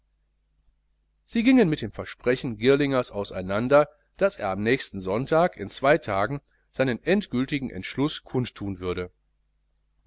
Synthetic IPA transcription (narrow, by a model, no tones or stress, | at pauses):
z̥iːɡɪŋənmɪt̚d̥eːmfɛɐʃpʁ̥ɛçn̩ɡɪɐlɪŋɐsʔaʊsa̰ɪnandɐ | d̥asʔḛːɐamnɛːçstn̩zɔntaːkɪnt͡sv̥aɪtʰaːɡŋ̩ | z̥aɪnənʔɛntɡ̥ʏltɪɡŋ̩ʔɛ̰ntʃlʊskʰʊntʰːuːnvʏɐɾə